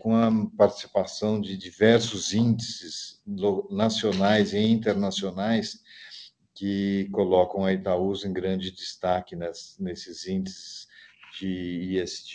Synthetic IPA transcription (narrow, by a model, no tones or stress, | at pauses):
kõɐpaɾt͡ʃi̥si̥pasɐ̃w̃d͡ʒɪd͡ʒivɛɾsʊzĩnd͡ʒɪsɪzlonasionajzɪĩnt̪eɾnasionajs | kɪkolɔkɐ̃w̃ɐit̪auzẽɡɾɐ̃d͡ʒɪd̪ɪst̪akɪnɛsnesɪzĩnd͡ʒɪsɪzd͡ʒɪiɛst͡ʃ